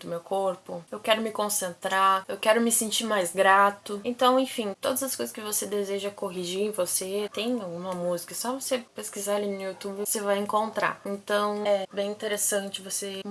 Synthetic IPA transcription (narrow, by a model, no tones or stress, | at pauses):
d̪ʊmewkoɾpʊewkɛɾʊmɪkõsẽnt̪ɾaewkɛɾʊmɪsĩt͡ʃiɾmajzɡɾat̪ʊẽnt̪ɐ̃w̃ẽj̃fĩt̪od̪ɐzɐskojzɐskɪvosed̪ezeʒɐkoɦiʒiẽvoset̪ẽj̃awɡũmɐmuzikɐsɔvosepeskizalinʊjut̪ubɪsevajẽŋkõnt̪ɾa̰ẽnt̪ɐ̃w̃ɛbẽj̃ĩt̪eɾesɐ̃nt͡ʃɪvose